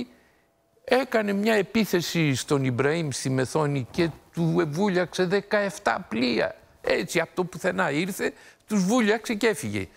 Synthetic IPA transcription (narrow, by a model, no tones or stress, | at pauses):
ɛkanemiɲaepiθesiʃt̪onibɾaimsimeθoniket̪uevuʎakseðekaeft̪a̰pliɐ̰ | ɛt͡ʃiap̚t̪opuθenaiɾθet̪uʒvuʎaksekefiɣḛ